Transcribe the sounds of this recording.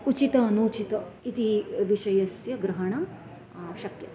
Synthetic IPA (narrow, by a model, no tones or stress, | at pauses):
ut͡ʃit̪ɐnut͡ʃit̪ɐit̪iʋiʃɐjɐsjɐɡɾɐɦɐɳɐm | ʃɐkjɐ